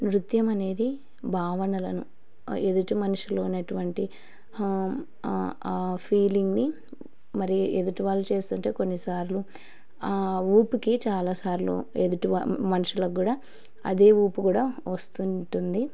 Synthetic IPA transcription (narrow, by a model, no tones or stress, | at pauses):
ɾut̪jɐmɐne̞ːd̪i | bʱaːʋɐnɐlɐnu | ed̪uʈumɐnuʂiloːnɐʈuʋɐɳʈi | pʰiːliŋɡni | mɐɾied̪uʈuʋaːlːut͡ʃe̞ːst̪uɳʈe̞ːkonːisaːɾlu | uːpukit͡ʃaːlaːsaːɾlṵed̪uʈuʋa̰mɐnuʂulɐɡuːɽaː | ɐ̰d̪e̞ːuːpukuːɽaːʋɐst̪uɳʈund̪i